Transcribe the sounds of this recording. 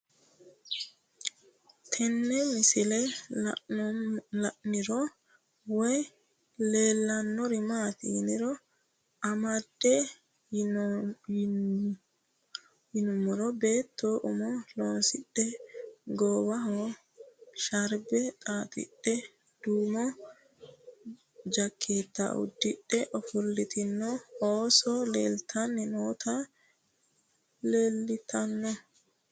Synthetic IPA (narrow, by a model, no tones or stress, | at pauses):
t̪ʰɛnːɛmɪsɪlɛ | lɐʔnɪɾɔ | wɔj | le̞ːlːɐnːɔɾɪmaːt̪ɪhnɪɾɔ | ʔɐmɐd̪̥ːɛ | hɪnʊmːɔɾɔbe̞ːt̪ːoːʔʊmɔloːnsɪɗːɛɡɔːwɐɦɔ | ʃɐɾbɛt̪ʼaːt̪ʼɪ̰ɗːɛ | d̪̥uːmɔ | d͡ʒɐkʰːeːt̪ːa̰ʊ̰d̪ːɪɗːɛʔɔfʊlːɪt̪ɪnːɔoːsɔleːlt̪ʰɐnːɛnoːt̪ʰɐ | leːlːɪt̪ʰɐnːɔ